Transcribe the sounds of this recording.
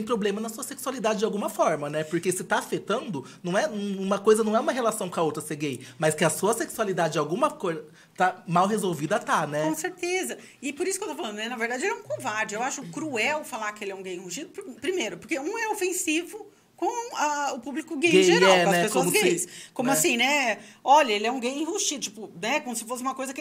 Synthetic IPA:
ẽj̃pɾoblẽmɐnɐsuɐseksualid̪ad͡ʒɪd͡ʒawɡũmɐfɔɾmɐnɛpoɾkesɪt̪afet̪ɐ̃nd̪ʊnɐ̃w̃ɛ̃ũũmɐkojzɐnɐ̃w̃ɛũmɐɦelasɐ̃w̃kõɐowt̪ɾɐseɡejmɐskɪɐsuɐseksualid̪ad͡ʒɪd͡ʒawɡũmɐkojzɐ | t̪amawɦezowvid̪ɐt̪anɛkõseɾt̪ezɐ | ɪpoɾisʊkewt̪ofalɐ̃d̪ʊnɛnɐveɾd̪ad͡ʒɪelɛũkõvaɾd͡ʒɪewaʃʊkɾuɛwfalaɾkɪelɪɛũɡejĩhuʃid̪ʊpɾpɾimejɾʊpoɾkeũɛofẽsivʊ | kõw̃ɐʊpublikʊɡejʒeɾawɛ̃ɐsɛpeskoɐzɡejskõmʊasĩnɛɔʎɐelɪɛũɡejĩhuʃid̪ʊt͡ʃi̥pʊnɛkõmʊsɪ̥fosɪumɐkojzɐk

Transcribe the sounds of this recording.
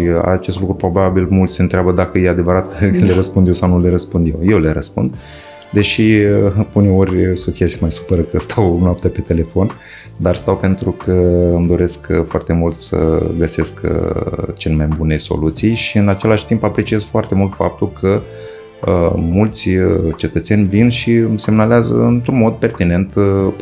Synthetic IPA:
a̰t͡ʃest̪lukɾupɾo̞babilmult̪sʲɨnt̪ɾʲeabəd̪akəjead̪e̞vəɾat̪kɨnleɾəspund̪jewsawnule̞ɾəspund̪je̞wje̞wle̞ɾəspṵnd̪ | d̪e̞ʃi | une̞o̞rʲso̞t̪sijasemajsu̥pəɾəkəst̪ʰawnwap̚t̪ʲape̞t̪e̞le̞fo̞n | d̪arst̪awpe̞nt̪ɾukəɨmd̪o̞ɾe̞skfoa̰rt̪e̞mult̪sə̰ɡəsesk | t͡ʃelemajbune̞so̞̰lut̪sijʃiɨnat͡ʃe̞laʃt̪impapɾe̞t͡ʃije̞zfoart̪e̞mult̪fa̰p̚t̪ulkʰə | əmult̪sʲət͡ʃe̞t̪ət̪senʲvinʃimse̞mnaleazə̰ɨnt̪ɾunmod̪̚pe̞rt̪ine̞nt̪

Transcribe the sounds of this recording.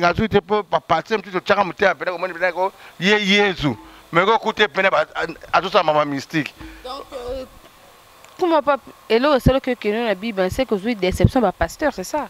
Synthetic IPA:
ɡazuitepobapatemos̬usot͡ʃaŋamoteapɛnɛkomnipenɛkojejenzumɛkokutepɛnɛbaazosaamamamistikdɔk | kumopapelɔkesalokekenabibãsekozuidesɛpsjɔ̃bapastɛʁsɛsa

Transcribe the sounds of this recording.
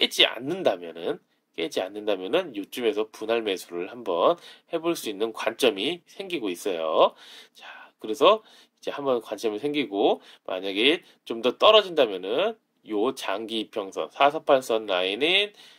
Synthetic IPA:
k͈e̞d͡ʑia̰nːɯndamjʌnɯn | k͈e̞d͡ʑia̰nːɯndamjʌnɯnjot͡ɕ͈ɯme̞sʰʌpunaɭme̞sʰuɾɯɭhambʌnhe̞boɭs͈uinːɯnkwant͡ɕ͈ʌmisʰe̞ŋɡiɡois͈ʌjot͡ɕakɯɾesʰʌ | id͡ʑe̞hambʌnkwant͡ɕʰimiɭsʰe̞ŋɡiɡo | mʔa̰ɲaɡe̞ | t͡ɕomdʌt͈ʌɾʌd͡ʑindamjʌnɯn | jot͡ɕaŋɡipʰjʌŋsʰʌ̰nsʰasʰʌpʰans͈ʰʌnːainin

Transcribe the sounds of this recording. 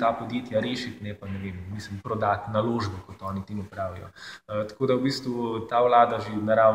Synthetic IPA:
t̪apod̪jeːt̪jaɾeːʃit̪nɛpanɛʋeːmːislimpɾɔd̪at̪naloːʒbɔkɔt̪ɔːnit̪eːmupɾaːʋijɔ̰t̪ḁkoːd̪awbiːst̪ʋut̪aːwlaːd̪aʒenɐɾa

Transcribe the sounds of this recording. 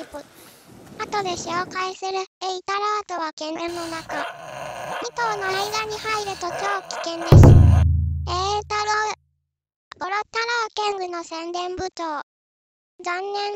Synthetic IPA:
ipɯ | at̪o̞d̪e̞ɕoːkaesɨɾɯ̟eit̪aɾoːt̪oβakẽnẽnːonaka | mit̪o̞ːnoaiɡ̪aɲ̟ihaiɾɯ̟t̪o̞kʲo̞ːkʲi̥kẽ̞nd̪eɕi | et̪aɾo | koɾot̪aɾoːkẽŋɡɯ̟no̞sẽ̞nd̪ẽ̞mbɯ̟t̪oː | zãnːẽ̞ŋ

